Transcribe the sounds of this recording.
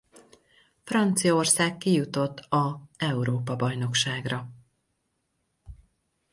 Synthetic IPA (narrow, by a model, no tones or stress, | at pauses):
frɒnt̪sijɒorsaːkːijut̪o̞t̪ːɒɛuɾoːpɒbɒjno̞kʃaːɡrɒ